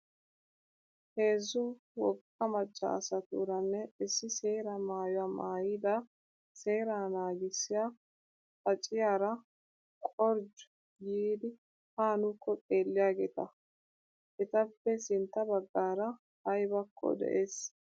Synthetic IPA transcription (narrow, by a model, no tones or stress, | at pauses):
he̞ːzːʊ | wɔkʼːɐmɐt͡ʃʼːɐ̰ːsɐt̪ṵːɾɐnːɛɪsːɪse̞ːɾɐmaːjʊwaːmaːjɪd̪ɐ | se̞ːɾaːnaːɡɪsːɪjaː | fɐt͡ʃʼɪjaːɾɐ | kʼɔɾd͡ʒʊ̥ | jiːd̪ɪ | haːnʊkːɔt̪ʼe̞ːlːɪjaːɡeːt̪ɐ | ʔɛt̪ɐpːɛsɪnt̪ːɐbɐɡːaːɾɐ | hɐjbɐkʰːɔ̰d̪ɛ̰ʔeːs